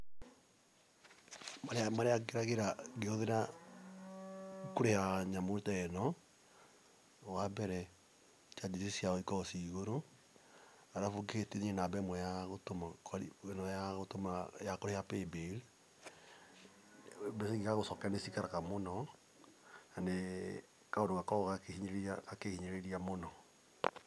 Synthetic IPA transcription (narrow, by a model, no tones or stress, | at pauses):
maɾamaɾeakeɾaɣeɾaɣeoðeɾa | koɾehaɲamoɾetaɛnɔ | wabɛɾɛ | t͡ʃad͡ʒisisiaɔikɔɔsiɣoɾo | aɾafoketeɲenabɛmwɔjaɣotomaknɔjaɣotomajakoɾejapebeɾe | bɛseɣiɣaɣosɔkanesikaɾakamonɔ | ane | kaodoɣakɔɣakehiɲeeaakehiɲeɾeɾiamonɔ